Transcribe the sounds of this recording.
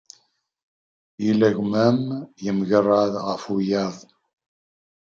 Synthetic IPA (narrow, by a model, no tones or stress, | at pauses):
ilæʝmæmjəmʝərˤːɑðˤʁəfujɑðˤ